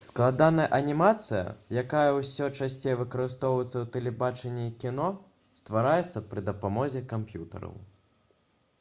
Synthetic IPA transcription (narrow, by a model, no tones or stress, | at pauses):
sklˠad̪anɐjɐʔɐnʲimat̪sɨjɐ̰jakajɐwsʲɔt͡ʂasʲt͡sʲejɐvɨkɐɾɨst̪ɔwjɛt̪sɐwt̪ɛlʲɛbat͡ʂɛnʲːiikʲinɔ | st̪vaɾajɛt̪sːɐpɾɨd̪ɐpamɔzʲɛkampjut̪ɐ̰ɾɐ̰w